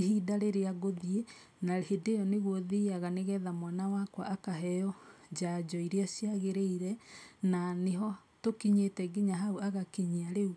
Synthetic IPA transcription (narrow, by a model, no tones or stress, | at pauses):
hidaɾeɾeaɣoðie | nahedejɔneɣwoðiaɣaneɣɛðamwanawakwa̰ʔakaɦɛjɔ | d͡ʑad͡ʒɔiɾeasjaɣeɾeiɾɛnaneɦɔ | tokiɲetɛɡiɲaɦauaɣakiɲiaɾeu